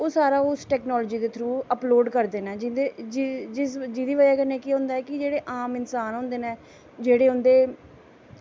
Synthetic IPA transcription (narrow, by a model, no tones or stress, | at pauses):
oːsaːɾaːosʈɛːknɔːlːd͡ʒiːd̪eːt̪ʰɾuːəploːɖkəɾd̪eːnɛːd͡ʒɪd̪ed͡ʒd͡ʒɪsd͡ʒid̪iːʋad͡ʒaːkəneːkiːɦõːnd̪aːɛːkɪd͡ʒeːɽeːʔaːmɪnsaːnɦʊ̃ːnd̪eːneː | d͡ʒeːɽeːɦʊ̃nd̪eː